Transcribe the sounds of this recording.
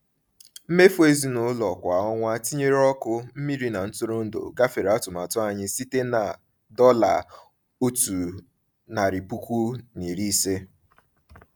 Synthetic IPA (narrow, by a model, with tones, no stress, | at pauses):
m̩˦me˦fo˦e˦zi˦nʊ˨˦lɔ˨kʷa˨ɔ˦ŋʷa˦ti˦ɲe˦ɾɔ˦kʊ˦m̩˦mi˦ɾi˦na˨n̩˦tʊ˦ɾʊ˦n̩˦do̰˨ɡa˦fe˨ɾa˦tʊ˨ma˨tʊ˦a˨ɲɪ˦si˦te˦na˨ | dɔ˦la̰˨ | o˦tu˨ | na˨ɾi˨pu˦kʷu˦ni˨ɾi˦se˦